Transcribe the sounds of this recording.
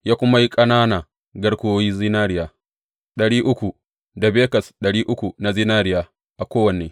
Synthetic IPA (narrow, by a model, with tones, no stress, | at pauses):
jaː˦kʷʊ˦ma˦ji˦kʼɐ˦naː˦naː˨ | ɡɐ˦ɽkʷoː˦jiː˦zɪ˦naː˦ɾɪ˦jaː˨ | ɗɐ˨ɽiː˦ʔʊ˦kʷu˨ | da˨beː˦kɐ˨sɗɐ˨ɽiː˦ʔʊ˦kʷu˨na˨zi˦naː˦ɾɪ˦jaː˨ | ʔa˨kʷoː˦wɐ˨neː˨